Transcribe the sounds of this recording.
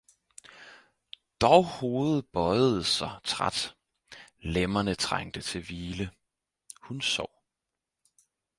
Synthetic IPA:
d̥ɒʊho̝ːð̩ˠb̥ɒ̽ɪð̩ˠəsɑ̈ɪt͡sʰʁa̰d̥ | lemɐnət͡sʰʁaŋ̰d̥ət͡sʰe̝lʋiːlə | hunsɒʊ̰

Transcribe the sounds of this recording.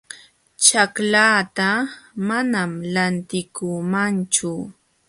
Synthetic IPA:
t͡ʃaklaːt̪amanamlant̪ɪkʊmant͡ʃʊ

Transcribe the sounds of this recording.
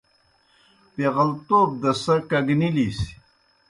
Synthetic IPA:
peɣɐlt̪oːb̚d̪ɐsɐkɐɡnilis

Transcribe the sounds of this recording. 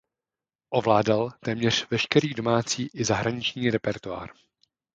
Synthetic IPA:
ʔovlaːdalt̪ɛːmɲɛr̝̥vɛʃkɛɾiːdo̞maːt͡siːʔɪzaɦɾaɲɪt͡ʃɲiːɾɛpɛɾt̪oa̰ːɾ

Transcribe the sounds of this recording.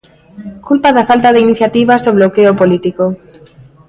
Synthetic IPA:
kulpaðafalt̪aðeiniθjat̪iβazoβlokeopolit̪iko

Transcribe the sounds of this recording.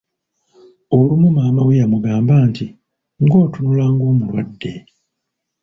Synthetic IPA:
olumumaːmawejamuɡaːmbaːnti | ŋɡo̞ːtunulaŋɡo̞ːmulwa̰dːe̞

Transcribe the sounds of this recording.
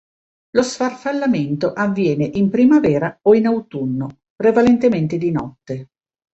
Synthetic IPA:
losfarfalːament̪oʔavːjɛːneʔimpɾimavɛːɾaoinawt̪unːo | pɾevalent̪ement̪ed̪inɔt̪ːe

